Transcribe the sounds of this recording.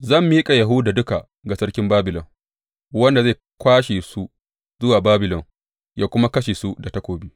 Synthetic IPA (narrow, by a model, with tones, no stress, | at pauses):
zɐ˦˨mːiː˦kʼa˨jɐ˨ɦʊ˦da˨dʊ˦ka˨ | ɡa˨sɐ˦rkʲɪ˦mbaː˦bɪ˨lɔ̰˨ŋ | wɐ˦nda˨zeː˦˨ | kʷaː˦ʃeː˨su˦ | zʊ˦waː˨baː˦bɪ˨lɔ˨ŋ | jaː˦kʷʊ˦ma˦kɐ˦ʃeː˨su˦da˨tɐ˦kʷoː˨bi˦